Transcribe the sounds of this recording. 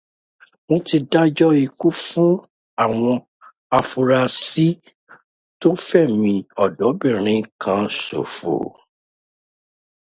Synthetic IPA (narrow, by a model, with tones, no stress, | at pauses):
mõ˧ti˧da˦d͡ʒɔ˦i˧ku˦fũ˦ | a˦˨w̃ɔ̃˧ | a˧fu˧ɾa˧si˦ | to˦fɛ˦˨mĩ˧ɔ˨dɔ˨˦bĩ˦˨ɾ̃ĩ˨˧kʰã˧˦so̰˨fo̰˨